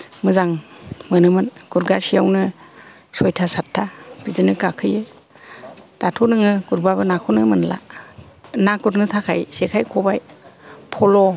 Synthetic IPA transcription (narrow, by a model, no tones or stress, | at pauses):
mɯzaŋmɯnɯmɯnɡ̥uɾɡasijawnɯ | sɔjtʰasatʰːab̥izɯnɯkakʰɯjɯ | d̥atʰonɯŋɯɡ̥uɾbaβɯnakʰonɯmɯnla̰ | nakuɾnɯtʰakʰajsekʰajkʰɔbajpʰɔlɔ